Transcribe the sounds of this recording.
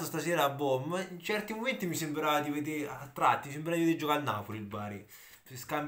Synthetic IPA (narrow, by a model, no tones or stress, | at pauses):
ost̪asɛːɾaːbːɔmːint͡ʃɛrt̪imoment̪imisembɾaad̪ived̪eɾat̪ːɾat̪ːimis̬embɾad̪ived̪eɾd͡ʒokanːa̰ːpolilbaːɾi | skam